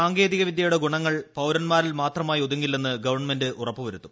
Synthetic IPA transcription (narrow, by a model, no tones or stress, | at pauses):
aːŋɡe̞ːðiɣɐʋid̪ʱjɐjuɽeɡuɳɐŋːɐɭpɐwɾɐnmaːɾilmaːt̪rɐmaːjioðuŋːilːenːɨɡɐʋɐrɳme̞ndɨʔurɐpːɨʋɐɾut̪ːu̥